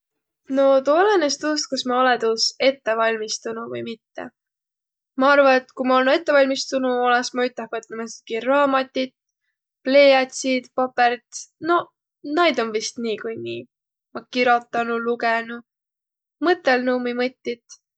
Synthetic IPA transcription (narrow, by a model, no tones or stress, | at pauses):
no̞t̪uolenest̪uːst̪̚kusmɑoled̪use̞t̪ːe̞vɑlʲmist̪unuvɯ̰jmit̪ːḛ | mɑɑrvɑet̪kumɑo̞lnue̞t̪ːˑevɑlʲmist̪unuo̞lesmɑyt̪ːˑɑhvɤt̪ːemɑsi̥t̪̚kirɑːmɑt̪ʲːit̪ | ple̞jɑt̪ʲsit̪pɑpeɾt̪no̞ | nɑjd̪o̞nvist̪niːkujnḭː | mɑkiɾo̞t̪ːˑɑnulukenu | mɤt̪ːe̞lnumimɤt̪ʲːit̪